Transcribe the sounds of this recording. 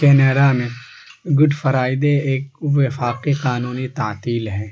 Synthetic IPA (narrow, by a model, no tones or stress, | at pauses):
kɛːneːɖamẽ | ɡʊɖfɐɾaːɪd̪eeːkʋɪfaːqiqaːnuːnit̪aːt̪iːlɦɛː